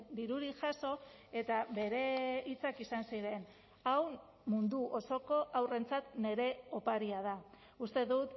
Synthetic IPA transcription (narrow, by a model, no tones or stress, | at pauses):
d̪iɾuɾiʝaso̞ | e̞t̪aβe̞ɾe̞it͡sakisansiɾe̞n | aw | mund̪uʔo̞so̞ko̞ʔawre̞nt͡sat̪ne̞ɾe̞o̞paɾiað̞a | ust̪e̞ðut̪